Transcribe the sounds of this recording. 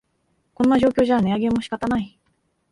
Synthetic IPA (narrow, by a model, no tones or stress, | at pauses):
kõ̞nːaʑo̞ːkʲo̞ːʑane̞aɡe̞mːo̞ɕi̥kat̪anai